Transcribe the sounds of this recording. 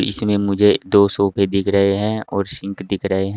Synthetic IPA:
ɪ̰smẽmʊd͡ʒʱed̪oːsoːpʰed̪ɪkʰɾəɦeɦɛ̃ɔːɾsɪ̃ŋkd̪ɪkʰɾəɦeɦɛ̃

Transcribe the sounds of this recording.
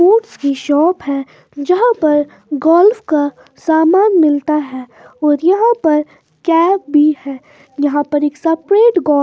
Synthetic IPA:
oːʈskiʃɔːpɦɛ | d͡ʒɐɦãpɐɾ | ɡɔːlfka | saːmaːnmɪlt̪aɦɛː | ɔːɾjɐɦãpɐɾ | kɛːp̚bʱihɛː | jɐɦãpɐɾeːksɐpɾeːʈɡɔː

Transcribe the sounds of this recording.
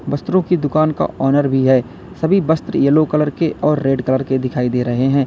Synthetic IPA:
bɐst̪ɾõkid̪ʊkaːnka̰ʔɔːnəɾbʱiɦɛː | sɐbʱibɐst̪ɾjɐlokələɾkeʔɔːɾːeːɖkələɾked̪ɪkʰaːid̪eːɾɐɦeɦɛ̃ː

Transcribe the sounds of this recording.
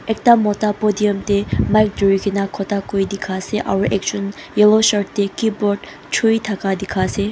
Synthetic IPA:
ek̚tamɔtapɔd̪ijɔmt̪emajk̚duiɡinakʰɔt̪akojd̪ikʰaseʔa̰ɹuʔek̚t͡ʃunjelosɔɹt̪ːekibɔd | t͡ʃʰuit̪ʰakad̪ikʰase

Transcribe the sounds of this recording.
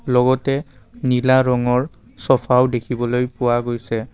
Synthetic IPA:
lɔɡɔtɛ | nilaɹɔŋɔɹ | sɔpʰawdekʰibɔlojpʊwaɡojsɛ

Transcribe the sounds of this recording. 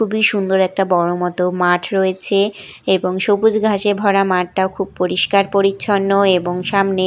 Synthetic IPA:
kʰubiʃund̪oɾɛk̚ʈabɔɽomɔt̪omaʈʰɾoet͡ɕʰeeboŋʃopud͡ʑɡʱaʃebʱɔɽamaʈ̚ʈaokʰub̚poɾiʃkaɾpoɾiɕʰonːoeboŋʃamne

